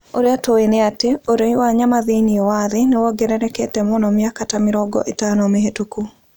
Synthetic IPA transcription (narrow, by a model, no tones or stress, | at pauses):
oɾjatoenɪateoɾeiwaɲamaðiniowaðɪnɛwɔɡɛɾɛɾɛkɛtɛmɔnɔmɪakatamɪɾɔɡɔ̰ʔetanɔmeɦetuku